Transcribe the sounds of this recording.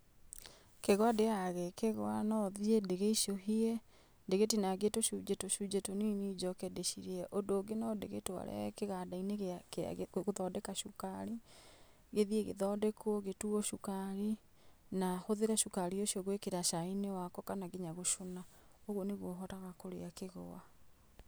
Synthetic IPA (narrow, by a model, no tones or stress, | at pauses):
keɣwadeaɣɛkeɣwanɔðiedeɣeiʃoɦiɛ | ndeɣetinaɡetoʃud͡ʒetoʃud͡ʒetoninid͡ʒɔkɛdeʃiɾeɛʔondoːɡenɔdeɣetoa̰ɾɛ̰keɣadaineɣkḛɣoðɔdɛkaʃukaɾi | ɣeðieɣḛðɔdɛkɔɣetuɔʃukaɾi | nahoðeɾaʃukaɾioʃiɔɣwekeɾaʃainewakɔkanaɡeɲaɣoʃona | oɣwɔneɣwɔɦɔtaɣakoɾḛakeɣo̰a